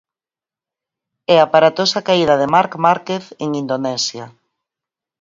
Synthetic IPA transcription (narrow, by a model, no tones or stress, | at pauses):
ɛapaɾat̪osakaiðɐðɪmaɾkmaɾkeθeŋind̪onɛsja